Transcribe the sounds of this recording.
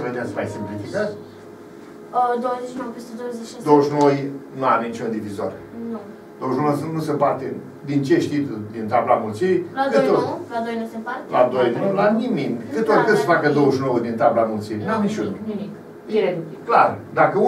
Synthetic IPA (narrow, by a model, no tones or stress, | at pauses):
səved̪easəmajsimplifikat̪ʲ | əd̪owzet͡ʃnowpest̪d̪owzed̪owəʃnojnuamenit͡ʃund̪ivizor | nu | d̪̥owəʒnoosnusepart̪e | d̪int͡ʃeʃt̪it̪ud̪int̪ablamult̪siɾjlakɨolad̪ojnosepaɾla̰d̪oj̪laniminʲkkɨt̪ot̪kɨnsəfakəd̪owəʃnowəd̪int̪ablamult̪siɾinuamnit͡ʃunnimik | eɾenimiklard̪akəu